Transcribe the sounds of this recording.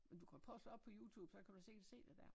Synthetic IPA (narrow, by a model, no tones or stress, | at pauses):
mend̥ukʰæpʰɔsd̥ɒ̽b̥pʰɒ̽juːt͡sʰuːb̥sɒ̽kʰæd̥use̝̰̥se̝̰ːd̥ed̥æɐ̰